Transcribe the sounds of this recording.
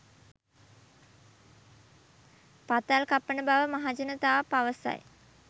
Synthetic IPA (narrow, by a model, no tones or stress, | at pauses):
pat̪alkapːənəbaʋəmaɦad͡ʒənət̪aːpaʋəsa̰j